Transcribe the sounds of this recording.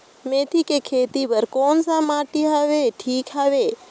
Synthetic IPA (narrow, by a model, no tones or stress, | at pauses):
mẽt̪ʰikekʰeːt̪ibəɾkoːnsãmaʈiɦaʋeʈʰiːkɦaʋe